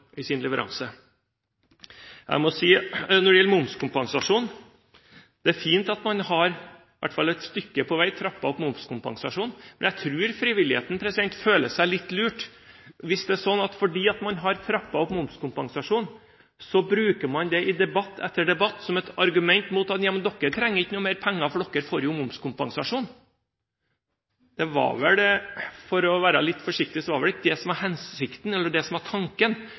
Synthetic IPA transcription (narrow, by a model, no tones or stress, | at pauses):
ɪsɪnlɛʋəɾʔɑ̰nsə | jʔæ̰ɪmɔsiːnɔɖɛjɛlːəmʊmskʰʊmpɑŋsɑʂuːn | d̪̥ɛæɾfiːnt̪ɑt̪mɑnhɑɾ | ɪʋæ̰ʈːfɑlɛt̪st̪ʏkːəpʰɔʋæɪt̪ʰɾɑpːɑɔpmʊmskʊmpɑ̰ŋsɑʂuːnmɛnjæɪt̪ʰɾʉːɾfɾiːʋɪlɪhḛːt̪n̩pʰɾɛsɪd̪ɛnt̪føːləsæɪlɪt̪ːlʉːʈ | ʋɪsd̪ɛæʂɔnːɑt̪fɔɖiːɑt̪mɑnɦɑɾt̪ʰɾɑpːɑɔpmʊmskʊmpɑŋsɑʂuːn | sɔbɾʉːkəmɑnd̪ɛʔɪd̪ɛbɑt̪ːɛt̪ːəɖɛbɑt̪ːsɔmɛt̪ɑɾɡʉmɛnt̪muːt̪ɑt̪jɑmənd̪ɔkːət̪ʰɾɛŋːəɾɪçnuːmeːɾpʰɛŋːɑfɽɔkːəɾfɔɾɪʊmʊmskʰʊmpɑŋsɑʂuːn | d̪̥ɛʋɑ̰ɾʋɛld̪ɛfɔɾɔʋæːɾɑlɪt̪ːfɔʂɪk̚t̪ɪsɔʋɑɾʋɛlɪkːəd̪ɛsɔmæɾhɛnsɪkt̪nɛlːəɖɛsɔmæʈʰɑŋkən